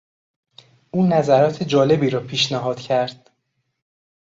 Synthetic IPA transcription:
ʔuːnæzæɾɒːt̪ʰed͡ʒɒːle̞biːɾɒːpʰiːʃnæɦɒːd̪̥cʰæɾd̪̥

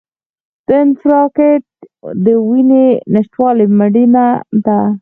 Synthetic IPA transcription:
d̪̥əɪnfɾɑket̪̚d̪əwinenaʃt̪wɑliməɽinad̪a

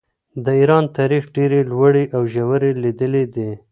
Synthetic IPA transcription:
d̪əiɾɑnt̪ɑɾixɖeɾelwəɽiʔawʒawəɾelid̪əled̪e

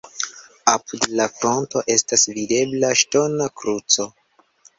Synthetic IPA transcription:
apudlafɾo̞nto̞ʔe̞stasvide̞blaʃto̞nakɾut͡so̞

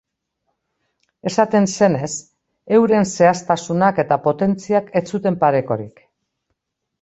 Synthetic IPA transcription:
e̞sat̪e̞nse̞ne̞s | e̞wɾe̞nse̞ast̪asunake̞t̪apo̞t̪e̞nt͡siake̞t͡sut̪e̞mpaɾe̞ko̞ɾḭk

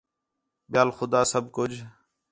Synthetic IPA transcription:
ɓɪjaːlxʊd̪aːsəb̚ʱkʊd͡ʒ

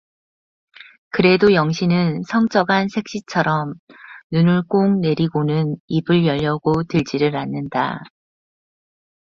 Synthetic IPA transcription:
kɯɾe̞dojʌŋɕʰinɯnsʰʌŋt͡ɕ͈ʌɡansʰe̞k̚ɕ͈it͡ɕʰʌɾʌmnunuɭk͈oŋne̞ɾiɡonɯnibɯɭjʌʎːʌɡotɯɭd͡ʑiɾɯɾanːɯnda̰

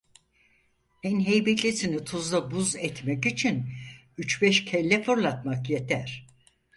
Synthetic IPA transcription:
hɛnɦejbecʲlʲisinit̪ʰuzd̪ˠabuzɛt̪mɛkit͡ʃʰin | yt͡ʃbɛʃcʰɛlʲːɛfuɾlˠat̪̚makjet̪ʰæɾ̥

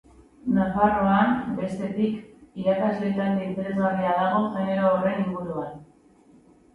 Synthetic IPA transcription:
nafaro̞anbe̞st̪e̞t̪ikiɾakazle̞t̪and̪iint̪e̞ɾe̞zɣariaðaɣ̞o̞ʝe̞ne̞ɾoːre̞niŋɡuɾuan

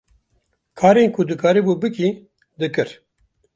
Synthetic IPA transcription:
kʰaːɾeːnkʰʊd̪ɨkʰaːɾebuːbɨki | d̪ɨkɨɾ

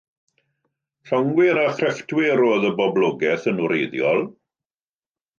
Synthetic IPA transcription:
ɬɔŋwɪɾaχrɛftʰwɪɾoːðəbɔbloːɡɛθənuɾejðjɔlˠ

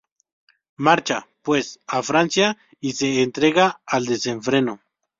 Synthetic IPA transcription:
maɾt͡ʃapwesafɾansja | iseːnt̪ɾeɣaːld̪eseɱfɾeno

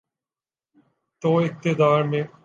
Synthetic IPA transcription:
t̪oːɪk̚t̪ɪd̪aːɾmẽ

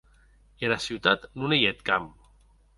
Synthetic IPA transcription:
ielasiwt̪at̪nunejet̪kam

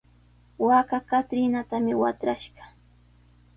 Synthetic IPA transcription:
wakakat̪ɾɪnat̪amɪwat̪ɾaʃɢɑ̥

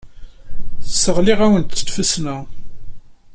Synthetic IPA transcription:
θsːəʁlɪʁæwənt̪ːə̥t̪fəsnæ

